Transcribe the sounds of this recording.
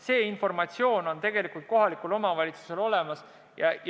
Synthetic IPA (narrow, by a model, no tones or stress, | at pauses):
se̞ːinfo̞rmɑt̪sio̞ːno̞nt̪e̞ɡe̞likult̪̚ko̞ɦɑlikulo̞mɑvɑlʲit̪su̥se̞lo̞le̞mɑs | jɑj